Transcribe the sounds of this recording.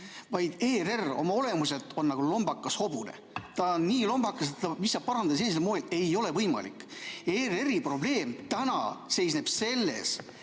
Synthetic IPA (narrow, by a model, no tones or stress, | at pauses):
vɑjd̪̥e̞ːre̞ro̞̰mɑo̞le̞muse̞t̪ˑo̞nːɑɡ̥ulo̞mb̥ɑkːˑɑsho̞bune̞̰ | t̪ɑnnːiːlo̞mbɑkːˑɑset̪ːɑmisːɑb̥̚pɑɾɑnd̪ed̪ɑselːis̬elmoːele̞jo̞le̞vɤjmɑ̰lḭkːe̞ːreripro̞ble̞ːmt̪ænɑ̰se̞jsne̞b̥se̞lːe̞̰s